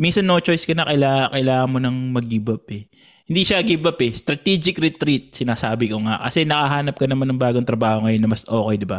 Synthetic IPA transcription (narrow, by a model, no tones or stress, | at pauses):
minsɐnːot͡ʃojskɐnɐkɐlaːkɐʔɪlaːŋɐnmonɐŋmɐɡibɐpɛ | ɪnd̪iʃɐɡibɐpɛst̪ɾɐt̪iːd͡ʒɪkɾɛt̪ɾit̪̚sɪnaːsaːbɪkoŋa̰kɐsɛnɐkɐɦaːnɐp̚kɐnɐmanɐŋbaːɡoŋt̪ɾɐbaːhoŋɐjo̞nːɐmɐsʔo̞ːkɛjd̪ɪba